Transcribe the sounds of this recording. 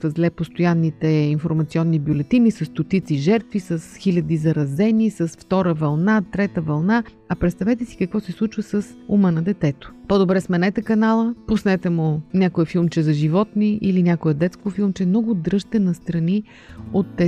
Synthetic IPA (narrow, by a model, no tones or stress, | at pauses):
əzlɛpost̪ojanːit̪ɛinfoɾmɐt̪siɔnːibjolɛt̪inisɐst̪ot̪it̪siʒɛɾt̪visɐsxilʲɐd̪izɐɾɐzɛnisɐsft̪ɔɾəvɐlˠnat̪ɾɛt̪əvɐlˠna | ɐpɾɛt̪st̪ɐvɛt̪ɛsi̥kəkvɔsɛslˠut͡ʃvəsɐsumənɐd̪ɛt̪ɛt̪o̥pod̪obɾɛsmɛnɛt̪ɛkɐnalˠəpʊsnɛt̪ɛmʊnʲakojəfilˠmt͡ʃɛzɐʒivɔt̪niilinʲakojəd̪ɛt̪skofilˠmt͡ʃɛmnɔɡʊd̪ɾɤʃt̪ɛnɐst̪ɾɐni | ot̪ːɛ